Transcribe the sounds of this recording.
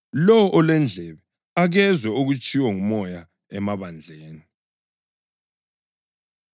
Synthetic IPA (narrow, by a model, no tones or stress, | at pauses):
lɔwɔʔɔlɛnd͡ɮʱɛβɛ | aɣɛzwɛuɣut͡ʃʼiwɔŋumɔja | ɛmaβand͡ɮʱeːni